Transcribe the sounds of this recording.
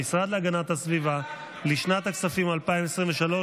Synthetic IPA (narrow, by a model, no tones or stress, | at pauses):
isʁad̪leaɡanat̪hasviva | liʃnat̪aksafimalpaimesʁimveʃalo̞